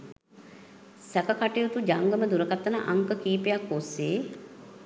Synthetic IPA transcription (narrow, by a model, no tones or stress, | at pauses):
sækəkaʈijut̪ud͡ʒaŋɡəməd̪uɾəkat̪ːənəʔaŋkəkiːpejakːoseː